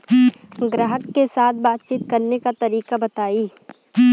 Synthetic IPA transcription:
ɡɾəɦəkːesaːt̪ʰbaːt̪̚t͡ʃiːt̪kɐɾnekat̪ɐɾiːkabɐt̪aːiː

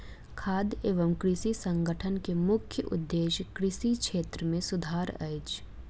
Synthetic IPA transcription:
kʰaːd̪eːʋəmkɾɪsisə̃ŋɡəʈʰənkemʊkʰjəʔʊ̰d̪ːeːʃkɾɪsikʃeːt̪ɾəmẽsʊd̪ʱaːɾɐ̰ɪt͡ʃ

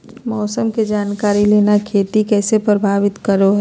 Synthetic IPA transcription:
mɔːsəmked͡ʒaːnkaːɾileːnakʰeːt̪ikɛːsepɾəbʱaːʋɪt̪kəɾoɦɛ

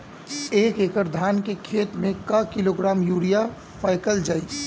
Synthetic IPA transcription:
eːkekəɾd̪ʱankekʰet̪mẽkəkiloɡɾamjuɾija | pʰajkəld͡ʒaːɪs

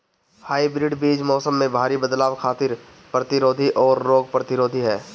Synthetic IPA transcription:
haːibɾɪɖbiːd͡ʒmɔːsəmːẽbʱaːɾibəd̪laːwkʰaːt̪ɪɾ | pɾət̪ɪɾoːd̪ʱiʔɔːɾːoːɡ̚pɾət̪ɪɾoːd̪ʱiɦɛː

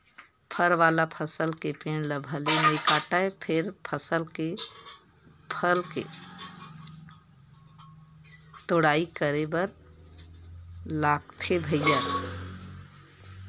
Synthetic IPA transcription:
pʰəɾʋalapʰəsəlkepenləbʱəlemekaʈaepʰeɾpʰəsəlke | pʰəlke | t̪oɽaikəɾebəɾ | laɡ̚t̪ʰebʱəjjə

